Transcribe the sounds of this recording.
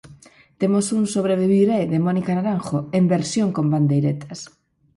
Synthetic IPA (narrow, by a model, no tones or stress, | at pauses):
t̪emosuŋsoβ̞ɾeβiβiɾeðemɔnikanaɾaŋxoembeɾsjoŋkomband̪ejɾet̪ʰɐs